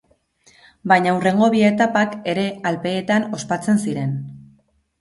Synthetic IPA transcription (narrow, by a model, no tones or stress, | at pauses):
bajɲaure̞ŋɡo̞βie̞t̪apake̞ɾe̞alpe̞ːt̪ano̞spat͡se̞nsiɾe̞n